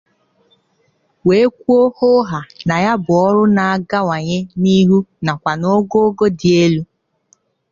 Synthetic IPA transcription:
we˨e˦kʷu˦o˦ho˦ɦa˨na˨ja˦bʊ˨ɔ˦ɾʊ˦na˨a˦˨ɡa˦wa˨ɲe˦ni˦ɦu˦na˨kʷa˨no˦ɡo˦ɡo˦dɪ˨e˦lu˦

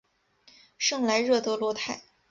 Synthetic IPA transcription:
ʂɤ˥˩ŋla˧˥ɪɻɤ˥˧t̪ɤ˧˥lwɔ˧˥t̪ʰa˥˩ɪ

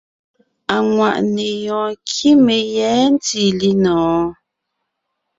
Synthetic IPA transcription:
a˨ŋwa̰˨ʔne˨jɔ̃ː˨kʰi˦me˨jɛː˨˦n̩˦ti˦˨li˦nɔ̃ː˨˦

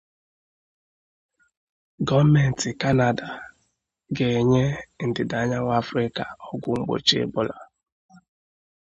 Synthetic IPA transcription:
ɡɔ˦me˨n̩˨tɪ˨ka˦na˨da˨ | ɡe˨ɲe˦n̩˨dɪ˨da˨˦ɲa˦ŋʷ˦a˦fɾɪ˦ka˨ɔ˦ɡʊ˦ŋ͡m̩˦ɡ͡bo̰˨t͡ʃḛ˦bʊ˦la˨

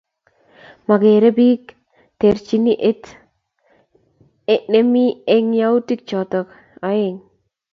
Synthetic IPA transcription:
ma˨ɡeɾe˦bik | t̪eɾt͡ʃi˦ni˦ʔe˦t | ne˦mi˦eŋjau˦ti˦k̚t͡ʃɔt̪ɔk | aeŋ

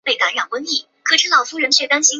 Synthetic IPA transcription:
pe˥˩ɪka˧˥nɻa˨˩nwə˥nli˥˩ | kʰɤ˥ʈ͡ʂ̩ʰ˥lɑ˨˩ʊfu˥ɻə˧˥nɕʰɥɛ˥˩t̪a˥nɕi˥

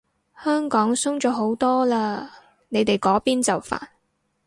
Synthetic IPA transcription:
hœː˥ŋkɔː˨˥ŋsʊ˥ŋt͡ʃɔː˨˥ɦo˨˥wt̪ɔː˥laː˧ | ne˨˧jt̪e˨jkɔː˨˥piː˥nt͡sɐ˨˩wfa̰ː˨n̚

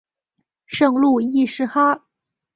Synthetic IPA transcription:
ʂɤ˥˧ŋlu˥˩i˥˩ʂɻ̩˥xa˥

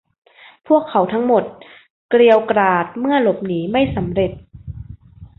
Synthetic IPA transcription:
pʰu˥˩əkʰːa˩˦wt̪ʰa˦˥ŋmo˨˩t̪̚ | kɾi˧əwkɾaː˨˩t̪̚mɯ˥˩ɐlo˨˩p̚niː˩˦ma˥˩jsa˩˦mɾe˨˩t̪̚

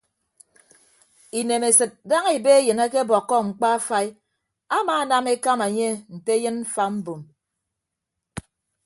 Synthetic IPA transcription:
i˨ne˨me˨sɨ˨t̚da˦ŋe˨be˦e˦jɨ˨na˦ke˦bɔ˨kːɔ˦ŋ͡m̩˨k͡pa˦a˦fa˦i˦ | a˦maː˨˦na˨me˦ka˦ma˨ɲe˦n̩˨te˦jɨ˦nm̩˦fa˦m̩˦bu˨m

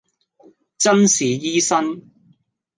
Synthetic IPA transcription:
t͡sɐ˥nsiː˨˧jiː˥sɐ˥n

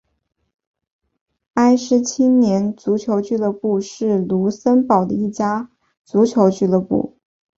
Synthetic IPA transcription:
a˥ɪʂɻ̩˧˥t͡ɕʰi˥njɛ˧˥nt͡su˧˥t͡ɕʰjo˧˥ʊt͡ɕy˥˩˧lə˥˧pu˥˧ʂɻ̩˥˩lu˧˥sə˥npɑ˨˩ʊd̪ə̰˦i˥˩t͡ɕja˥ | t͡su˧˥t͡ɕʰjo˧˥ʊt͡ɕy˥˩lɤ˥˧pṵ˥˩

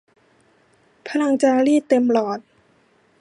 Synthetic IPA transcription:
pʰa˧˥na˧ŋt͡ɕaː˧liː˥˩t̪e˧mlɔː˨˩t̪̚

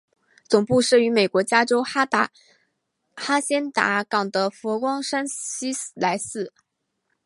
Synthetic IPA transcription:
t͡sʊ˨˩ŋpu˥˧ʂɻ̩˥˩y˧˥me˨˩ɪkwɔ˧˥t͡ɕja˥ʈ͡ʂo˥ʊa˥t̪a˥ | xa˥ɕjɛ˥nt̪a̰˧˥kɑ˨˩ŋd̪ə˦fɔ˧˥kwɑ˥ŋʂa˥nɕi˥la˧˥ɪsɹ̩˥˩

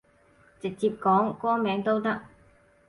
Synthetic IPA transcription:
t͡sɪ˨k̚t͡siː˧p̚kɔː˨˥ŋkʷɔː˥ŋmɛː˨˥ŋt̪o˥wt̪ɐ˥k̚

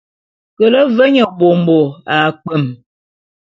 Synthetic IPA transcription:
kə˨lə˦və˦ɲə˨bo˨m̩˨bo˨a˨k͡pə˦˨m

